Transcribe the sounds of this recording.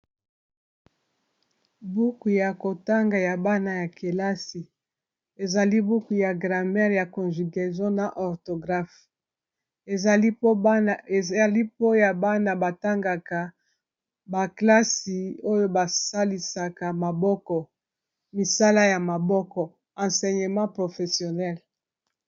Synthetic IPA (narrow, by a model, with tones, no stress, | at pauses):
bu˦ku˨ja˨ko˨ta˦ŋɡa˨ja˨ba˦na˨ja˨ke˨la˦si˨ | e˨za˨li˦bu˦ku˨ja˨ɡʁa˨mɛ˦ʁja˨kɔ̃˨nʒi˨ɡɛ˨zjɔ̃˦na˨ʔɔ˨ʁto˨ɡʁa˦f | e˨i˦˨ | a˨li˦po˦ja˨ba˦na˨ba˨ta˦ŋɡa˨ka˨ | ba˨kla˦si˨o˦jo˦ba˨sa˦li˨sa˨ka˨ma˨bɔ˦kɔ˨ | mi˨sa˦la˦ja˨ma˨bɔ˦kɔ˨ | ã˨sɛ˨ɲe˨mɑ̃˦pʁo˨fe˨sjo˨nɛ˦l